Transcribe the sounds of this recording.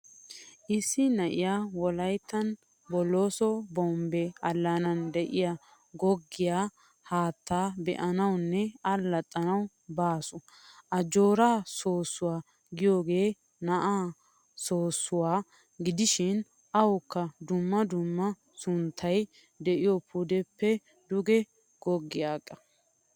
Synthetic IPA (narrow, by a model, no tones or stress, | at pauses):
ʔɪsːɪnɐʔɪjaːwɔlɐjt̪ːɐn | bɔlːo̞ːsɔbɔmbɛɐlːanɐnd̪ɛʔɪja | ɡɔɡːɪjaː | haːt̪ːaːbɛ̰ʔɐnɐwnːɛɐlːɐt̪ʼːɐnɐw | baːsʊ | ʔɐd͡ʒo̞ːɾaːso̞ːsːʊwaː | ɡɪjo̞ːɡe̞ː | nɐʔaː | so̞ːsːʊwaː | ɡɪd̪ɪʃɪn | ɐwʊkːɐd̪ʊmːɐd̪ʊmːɐ | sʊnt̪ʰːɐj | d̪ɛʔɪjɔpʰud̪ɛpːɛ | d̪ʊɡɛ | ɡ̥ɔɡːɪjaːkʼːɐ̥